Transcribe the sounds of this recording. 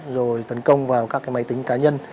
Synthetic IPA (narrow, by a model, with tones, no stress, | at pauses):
zo˨˩jt̪ə˨˦nkə˧wŋ͡mvaː˨˩wkaː˦˥kːaː˨˦jma˨˧˦jt̪ï˨˦ŋ̟kaː˨˦ɲə˧n